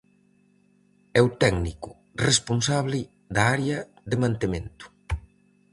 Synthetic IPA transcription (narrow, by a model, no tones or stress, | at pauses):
ɛwt̪ɛɡnikʊ | responsaβlɪ | d̪aaɾeɐ | ðemãnt̪emẽnt̪ʊ̥